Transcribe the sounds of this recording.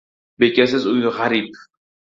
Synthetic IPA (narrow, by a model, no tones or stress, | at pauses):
bekʲasɪzʊjɪʁaɾip̚